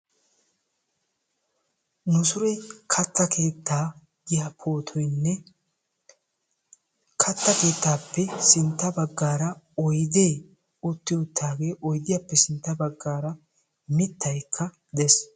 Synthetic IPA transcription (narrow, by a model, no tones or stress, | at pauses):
nʊsʊɾɛkʰɐt̪ːɐkʰe̞ːt̪ːaː | ɡ̪ɪjapʰo̞ːt̪ʰɔjnːɛ | kʰɐt̪ːɐke̞ːt̪ːaːpːɛsɪnt̪ːɐbɐɡːaːɾɐ | ɔjd̪e̞ː | ʊt̪ːɪʊt̪ːaːɡe̞ːʔɔjd̪ɪjapːɛsɪnt̪ːɐbɐɡːaːɾɐ | mɪt̪ːɐjkʰːɐ | d̪ɛs